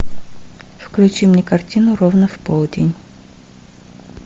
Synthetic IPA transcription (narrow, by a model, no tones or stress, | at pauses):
fklʲʉt͡ɕimnʲɛkɐrtʲinʊɾovnəfpolˠdʲɪnʲ